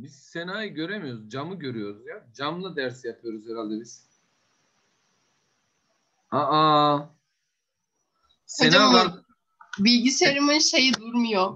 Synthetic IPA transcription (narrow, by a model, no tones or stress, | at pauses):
bizsenaːjiɟø̞ɾemijo̞ɾuzd͡ʒamɯɟø̞ɾyjo̞ɾuzjad͡ʒamlˠad̪æɾsjapʰɯjo̞ɾuzheɾalʲd̪ebiz̥ | aa | send͡ʒaa | bilʲɟiseɾimɯnʃe̞jid̪uɾmujo